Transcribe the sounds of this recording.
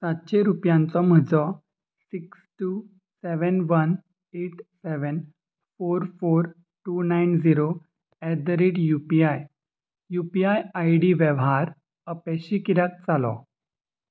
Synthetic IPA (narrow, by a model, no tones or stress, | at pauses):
sat̪ɕeɾupjãnt͡sɔm̤əd͡zɔ | siksʈu | sɛʋənʋən | eʈsɛʋən | foɾfoɾ | ʈunajnd͡ziɾo | ɛd̪əɾeɖjupiaj | jupiajajɽiʋɛʋɦaɾ | əpɛɕikiɾjak̚t͡salɔ̰